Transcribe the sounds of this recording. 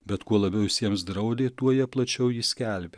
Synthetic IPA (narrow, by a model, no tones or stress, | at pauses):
bʲɛt̪kuɔlˠɐbʲɛʊɪsʲiɛmsd̪ɾɐʊd̪ʲeːt̪uɔjɛplˠɐt͡ʃʲɛʊjiːsʲkʲæˑlʲbʲe